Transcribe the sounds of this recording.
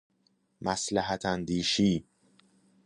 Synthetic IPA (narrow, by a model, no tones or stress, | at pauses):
mæslæɦæt̪ʰænd̪iːʃiː